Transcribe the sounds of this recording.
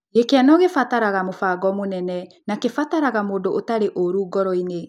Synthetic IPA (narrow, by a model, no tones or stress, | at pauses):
jekɛnɔɣefataɾaɣamofaɡɔmonɛnɛ | nakefataɾaɣamoːdoʔotaɾeʔoɾuːɡɔɾɔine